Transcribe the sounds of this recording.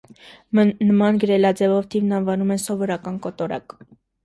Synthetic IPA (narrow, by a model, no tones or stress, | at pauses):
nəmɑnɡəɾɛlɑd͡zɛvɔvt̪ʰivnɑnvɑnumɛnsɔvɔɾɑkɑnkɔt̪ɔɾɑ̰k